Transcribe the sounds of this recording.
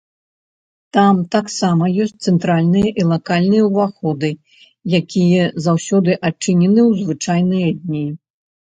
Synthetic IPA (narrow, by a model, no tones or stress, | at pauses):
t̪amt̪aksamɐjɔsʲt̚ʲt̪sɛnt̪ɾalʲnɨjɐʔilˠakalʲnɨjɐwvaxɔd̪ɨ | jakʲijɛzawsʲɔd̪ɨʔat͡ʂɨnʲɛnɨwzvɨt͡ʂajnɨjɐd̪ʲnʲi